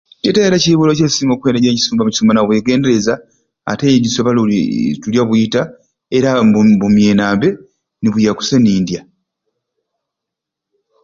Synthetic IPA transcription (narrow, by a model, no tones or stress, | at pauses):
cetaeɾaciiβulocesiːmɡokwendaɟeci̥suːmɡbamuci̥sumanaβwe̞ːɡe̞ːndeɾeza̰ː | tejeɟisoβaltuljaβuita | eɾabumjeːnaːmbe̞ | niβujaku̥seniːndja